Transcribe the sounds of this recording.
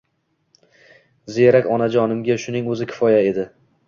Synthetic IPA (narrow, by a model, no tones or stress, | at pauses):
zeɾakʲɒnad͡ʒɒnɪmɡʲaʃʊnɪŋɵzɪkʲʰɪ̥fɒjae̞d̪ɪ